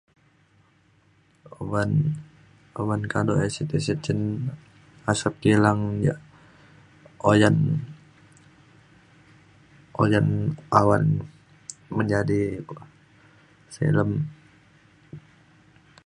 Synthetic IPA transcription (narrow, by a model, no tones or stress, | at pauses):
oban | owankadoɛsit̪isit͡ʃən | asap̚kilaŋja̰ | ojan | ʔojanʔawan | məɲd͡ʒadiku | sḭləm